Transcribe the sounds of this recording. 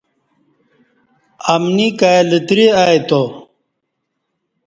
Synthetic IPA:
ɐmnikajlit̪ɾiajt̪o

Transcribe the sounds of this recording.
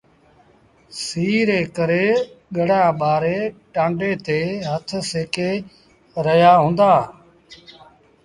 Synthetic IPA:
siːɾeːkəɾeːɠəɽ̤aːɓaːɾeːʈãːɳɖeːt̪eːɦət̪ʰseːkeː | ɾəɦjaːɦʊ̃ːnd̪aː

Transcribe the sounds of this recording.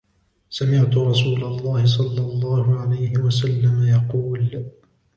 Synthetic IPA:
samɪʕt̪ʊɾˤɑsuːlalˤːɑːhɪs̬ˤɑlːɑlˤːɑːhʊʕalajhɪwasalːamajɑquːl

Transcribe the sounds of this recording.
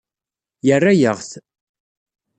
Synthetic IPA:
jərːajəʁθ

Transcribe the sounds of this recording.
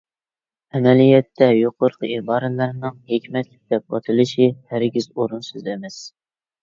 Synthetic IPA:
ɛmɛlijɛt̪ʰːɛjoqʰoɾqʰəibɑːɾɨlɨɾnɨŋhekʲmɛt̪lɪk̚ʲd̪̥ɛp̚bɑ̰t̪ʰɨlˠɨʃihæɾɡʲizoɾunsyzɛmɛs

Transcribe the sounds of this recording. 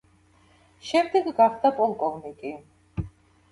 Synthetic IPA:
ʃɛmd̪ɛɡɡaχd̪apʼɔlˠkʼɔvnikʼi

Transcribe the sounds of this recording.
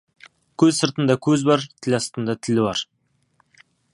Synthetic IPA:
kʲʰɵzsəɾt̪ənd̪ɑkʲʰɵzbɑɾt̪ʰɪlʲɑst̪ənd̪ɑt̪ʰɪlɪbɑɾ

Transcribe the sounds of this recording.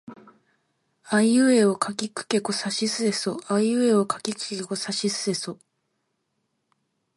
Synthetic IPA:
aiɯ̟e̞okʰakʲikɯ̟̥ke̞ko̞saɕisɨe̞soaiɯ̟eo̞kʰakʲikɯ̥keko̞saɕisɨe̞so

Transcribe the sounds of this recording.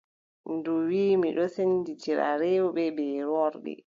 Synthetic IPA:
nduwiːmiɗɔsenditiɾa̰ɾɛwɓɛbɛːɾɔɾɗḭ

